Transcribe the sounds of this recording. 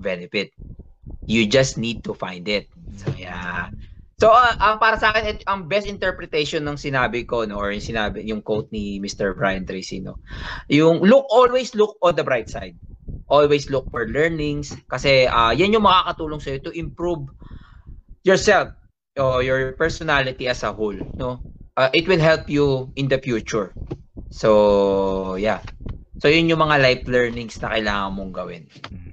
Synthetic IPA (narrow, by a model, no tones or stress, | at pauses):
vɛnɛfɪt̪̚ | jud͡ʒɐst̪nid̪̚t̪ʊfa̰jnd̪ɪt̪̚sɐjansoʔɐʔɐŋpaːɾɐsɐʔaːkɛnɛt̪ʔɐŋbɛst̪ɪnt̪ɛɹpɾɛt̪ɛjʃɔnːɐŋsɪnaːbɪko̞noʔːɹjʊŋsɪnaːbɪjʊŋkowt̪̚nimɪst̪ɛɹbɹa̰jɐnt̪ɾɛsḭːno̰jʊŋlʊk̚ʔolwejslʊk̚ʔɔnd̪ɐbɹajt̪̚sa̰jd̪̚ʔolwejslʊk̚fɔɹlɛɹnɪŋskɐsɛʔɐjanjʊŋmɐkakɐt̪uːloŋsɐjot̪ʊʔɪ̃mpɹuv | jɔɹsɛlf | ʔojɔɹpɛɹsɔnalɪt̪iɐsɐholnoʔaʔɪt̪̚wɪlɦɛlpjuʔɪnd̪ɐfjuːt͡ʃʊɹso | jasojʊnjʊŋmɐŋalajplɛɹnɪŋsnɐkɐjlaːŋɐmoŋɡɐwɪ̰n